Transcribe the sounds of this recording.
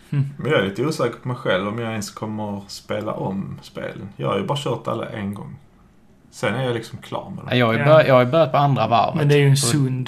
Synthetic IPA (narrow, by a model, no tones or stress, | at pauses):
mɛnjɑæɾjɪnt̪əuːsɛːkəɾpʰɔmɛjɧɛlvɔmjɑɛnskʰɔmːəɾspeːla̰ʔɔmspḛːlənjɑ̰ːhaɾjɵbɑːɾaɕœːt̪a̰lːa̰ʔɛnɡɔ̰ŋː | sɛnːæɾjalɪksɔmkʰlɑ̰ːɾmɛ̰d̪jɑːɡajbœjɑːɡhajɵbœɾjat̪̚pʰɔand̪ɾava̰ɾvmənd̪ɛæɾjɵɛnsɵnd̪